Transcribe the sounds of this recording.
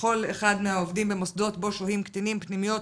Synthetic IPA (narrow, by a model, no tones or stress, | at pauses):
o̞leχad̪meaovdimbemosd̪o̞t̪bo̞ʃohimkt̪animpnimijo̞t